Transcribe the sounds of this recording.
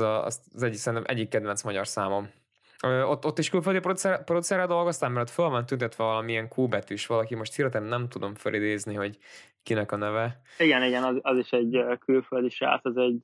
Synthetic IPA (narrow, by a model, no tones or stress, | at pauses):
zɒ̰st̪zɛɟisɛnʔɛ̰ɟːikːɛd̪vɛnsmɒɟɒrsaːmo̞m | øːot̪ːot̪ːiʃkylføld̪iprot̪sɛrprot̪sɛrɛd̪o̞lɡo̞st̪aːmːɛɾot̪følvɒnt̪ynt̪ɛt̪ʋɛvɒlɒmiɛŋkʰuːbɛt̪yʃʋɒlɒkimo̞ʃt̪hiɾt̪ɛnːɛmt̪ud̪o̞mfølʔid̪eːzniɦo̞ɟ | kinɛkɒnɛvɛiɡɛniɡɛnzɒziʃɛɟkylføld̪iʃa̰ːsɛzɛɟ